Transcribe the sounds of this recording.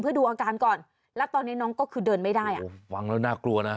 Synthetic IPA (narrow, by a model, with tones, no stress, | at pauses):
mʰɯ˥˩əduː˧ʔaː˧kaː˧nkɔː˨˩n | lɛ˦˥wt̪ɔː˧ni˦˥nɔː˦˥ŋkɔː˥˩kʰɯː˧dɤː˧nma˥˩jdaː˥˩jʔa̰˨˦˩wa˧˥ŋlɛː˦˥˩naː˥˩klu˧ɐna˦˥